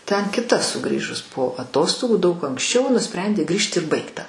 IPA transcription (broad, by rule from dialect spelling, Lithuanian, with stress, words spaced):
tʲɛn kʲɪˈtɐ sʊˈɡrʲiːʒʊs poː ɐˈtoːstoːɡuː dɐʊk ɐŋksʲˈt͡ʃʲɛʊ nʊˈsʲpʲrʲɛnʲdʲeː ˈɡrʲiːʃt ɪr ˈbɐɪktɐ